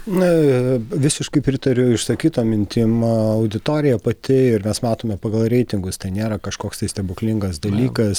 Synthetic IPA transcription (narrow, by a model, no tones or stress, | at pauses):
nʊʋʲɪsʲɪʃkɐɪpʲɾʲɪt̪ɐɾʲʊɪʃsɐkʲiːt̪oːmʲɪnʲt̪ʲiːmɐʊd̪ʲɪt̪oːɾʲɪjɛpɐt̪ʲɪɪɾmʲɛsmɑːt̪oːmʲɛpɐɡɐlˠɾʲɛɪt̪ʲɪŋɡʊst̪ɐɪnʲeːɾɐkɐʃkoːkst̪ɐɪsʲt̪ʲɛbʊklʲɪŋɡɐsd̪ɐlʲiːkɐs